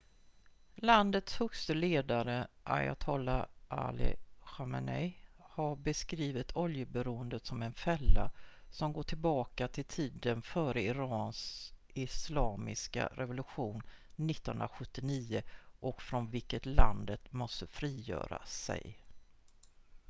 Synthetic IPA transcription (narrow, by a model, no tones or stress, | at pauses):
land̪ət̪shɵkst̪əleːd̪aɾəʔa̰ja̰t̪ʰɔːlaʔa̰lɪ̰ɧama̰nɛjhaɾbɛskɾiːvɪt̪ʰɔljəbɛɾuːənd̪ət̪sɔmɛnfɛlːasɔmɡoːʈʰɪlbɑːkat̪ʰɪlt̪ʰiːd̪ənfœːɾəɪɾɑːns | ɪslɑːmɪ̰ska̰ɾʔɛvʊlɵɧuːnː | ɪt̪ːənhɵnɾaɧɵt̪ːɪniːəʔɔkfɾɔnvɪlkːət̪la̰nd̪ət̪mɔst̪əfɾiːjœ̰ːɾa̰sɛ̰j